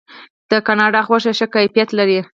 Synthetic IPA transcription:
d̪̥əkɑnɑɖɑxwaʃeʃəkɑfjat̪laɾi

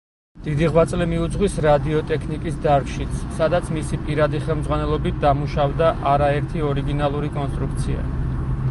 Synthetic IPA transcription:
d̪̥id̪iʁwat̪sʼlɛmiud̪zʁwisɾad̪iɔt̪ʼɛkʰnikʼisd̪aɾɡʃit̪sʰsad̪at̪sʰmisipʼiɾad̪iχɛlˠmd̪zʁwanɛlˠɔbit̪̚ʰd̪amuʃavd̪aʔaɾaɛɾt̪ʰiɔɾiɡinalˠuɾikʼɔnst̪ʼɾukʰt̪sʰia̰

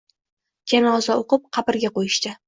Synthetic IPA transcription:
d͡ʒanɒzaoqɨp̚qʰɑpɪɾɡʲaqojɪʃt̪ɪ

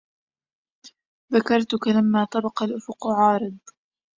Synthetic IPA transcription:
ðakɑɾˤt̪ʊkalamːaːt̪ˤɑbɑqɑlʔʊfʊqʕɑːɾɨd̪̚ˤ

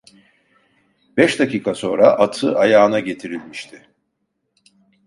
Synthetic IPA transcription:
b̥ɛʃd̪aciːkʰaso̞nɾaʔat̪ʰɯʔajaːnaɟe̞t̪ʰiɾilʲmiʃt̪ʰɪ

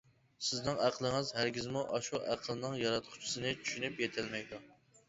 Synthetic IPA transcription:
sɪznɨŋæqʰlˠɨŋɨzhæɾɡʲizmuʔɑʃuʔæqʰəlˠɨnɨŋjɑɾɑt̪̚qʰʊ̥t͡ʃʰi̥sɨnɨt͡ʃʰy̥ʃynypjɛt̪ʰɪlmɛjd̪u

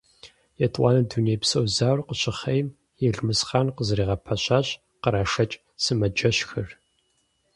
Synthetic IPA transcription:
jɛtʼwʷɑ̰ːnɐduːneːjpsɐwzaːwrqəɕɪχɐjm | jɛɮmɨsχaːnqəzriːʁɐpʰɐɕaːɕʼ | qəɾaːʃɐt͡ʃʼ | sɨmɐd͡ʒɐɕxɨr

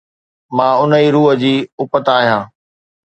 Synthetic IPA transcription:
mãːʊnəiːɾuːɦə̆d͡ʑiːʊpət̪aːɦijãː

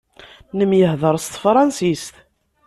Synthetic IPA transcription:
nəmjəɦðˤəɾˤst̪fɾˤɑnsist̪

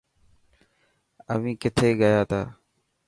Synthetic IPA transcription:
ə̰ʋĩːkɪt̪ʰeːɠəjaːt̪ʰaː

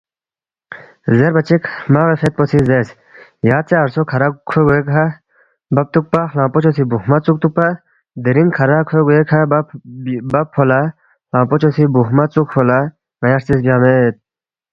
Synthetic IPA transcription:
zeɾbɐt͡ɕekmaɣefet̪̚posizes | jaːt̪̚t͡seɐɾsokʰɐɾakʰoɡuekɐ | bɐp̚t̪uk̚paxlãːpot͡ʃʰos̬ibuɦmɐt͡suk̚t̪uk̚pa | d̪iɾinkʰɐɾakʰeɡuekʰab | bɐpʰːola | lãːpot͡ʃʰosibuɦmɐt͡sukpʰola | ŋɐjɐɾt͡sis̬bjaːmet̪̚

